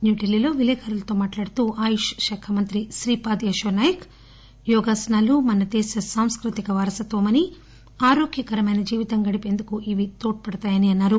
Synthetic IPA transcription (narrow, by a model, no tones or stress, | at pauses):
njuːʈelːilo̞ːʋilɛːkʰaːɾɐlɐt̪o̞ːmaːʈlaːɽut̪uːʔaːjuʃʃɐkʰɐmɐnt̪ɾiʃɾiːpaːd̪iɐʃɐnaːjɐk | jɔːɡaːsɐnaːlumɐnɐd̪ɛːsɐsaːmskɾut̪ikɐʋaːɾɐsɐt̪ʋɐmɐni | aːɾoːɡjɐkɐɾɐmɐjnɐd͡ʒiːʋit̪ɐŋɡɐɽipe̞ːnd̪ukuʔiʋit̪oːʈ̚pɐɽɐt̪aːjɐniɐnːaːɾu